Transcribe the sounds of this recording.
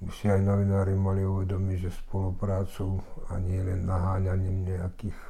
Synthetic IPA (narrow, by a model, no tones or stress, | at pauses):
bisiajnɔʋinaːɾimaliuʋɛd̪ɔmiɟʒɛspɔlupɾaːt͡sua̰ɲɪɛlɛnːaɦaːɲaɲiːmɲɛakiːx